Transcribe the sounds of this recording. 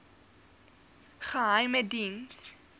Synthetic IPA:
χəɦɐjmədins

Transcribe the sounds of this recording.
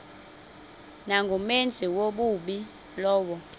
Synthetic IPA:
naŋɡʱumend͡zʱiwoɓuɓi | lɔːɓɔ

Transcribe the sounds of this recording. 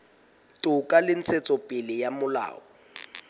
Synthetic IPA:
tʼʊkʼalɪn̩t͡sʰet͡sʼɔpʼɪlɪjamʊla̰ːɔ

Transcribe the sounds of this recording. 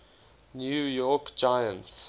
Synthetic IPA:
njujɔkd͡ʒaɪə̃nts

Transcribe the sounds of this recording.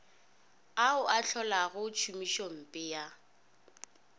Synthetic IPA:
aʊʔat͡ɬʰɔlaɣʊt͡ʃʰumiʃɔm̩pʼɪja

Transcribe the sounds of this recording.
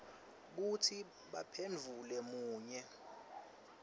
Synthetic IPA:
k̬utʰi | ɓapʰend͡vʱulɛmuːɲɛ

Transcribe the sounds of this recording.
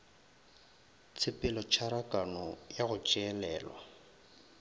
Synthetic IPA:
t͡sʰɪpʼɪlɔt͡ʃʰaɾakʼanɔjaɣʊt͡ʃʼɛɛlɛːlwa

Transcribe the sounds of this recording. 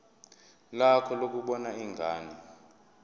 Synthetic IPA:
lakʰɔlok̬uɓɔnaiŋʱaːni

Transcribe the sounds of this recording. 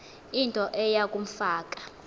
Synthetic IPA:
intʼɔʔɛjakʼum̩faːkʼḁ

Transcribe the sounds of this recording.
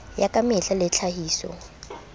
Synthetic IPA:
jakʼamɪɬalɛt͡ɬʰaɦiːsɔ̰

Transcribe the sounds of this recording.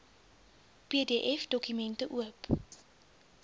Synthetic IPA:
pedeːʔɛfdɔkymɛntəʔuəp

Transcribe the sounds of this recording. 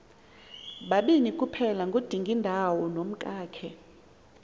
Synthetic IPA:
ɓaɓinikʼupʰɛlaŋɡʱod̥ʱiŋɡʱindʱawɔnom̩kʼaːkʰɛ

